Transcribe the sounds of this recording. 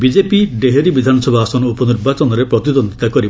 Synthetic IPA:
bid͡ʒepiɖeɦeɾibid̪ʱanɔsɔbʱaːsɔnɔupɔniɾbat͡ʃɔnɔɾepɾɔt̪id̪ɔnd̪ʱit̪akɔɾib

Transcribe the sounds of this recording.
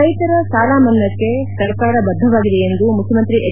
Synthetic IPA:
ɐjt̪ɐɾɐsaːlaːmɐnːɐkːe̞sɐɾkaːɾɐbɐd̪ʱːɐʋaːɡid̪ejend̪umukʰjɐmɐnt̪ɾiʔe

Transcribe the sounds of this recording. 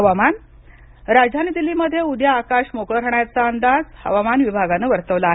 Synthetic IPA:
əʋaman | ɾad͡zd̪ʱanid̪ilːiməd̪ʱːjeud̪ʱjaːkaɕmokɭəɾəɳjat͡saənd̪ad͡zhə̰ʋamanʋibʱaɡaneʋəɾt̪əʋlaːɦ

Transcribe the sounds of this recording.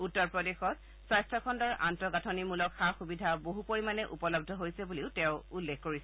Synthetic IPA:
utːɔɹpɹɔdexɔt̚ | sajstʰɹɔkʰɔndɔɹʔa̰ntɔɡatʰɔnimulɔkxaxubidʱaboɦupoɹimanɛʔupɔlɔb̚dʱɔɦojsɛbuliʊtɛ̃ʊulːexkoɹisɛ

